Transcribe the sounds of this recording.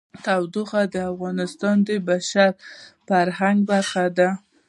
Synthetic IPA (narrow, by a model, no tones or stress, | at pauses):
t̪awd̪uxad̪əafɣɑnɪst̪ɑnd̪əbaʃaɾfaɾɦaŋɡbaɾxad̪a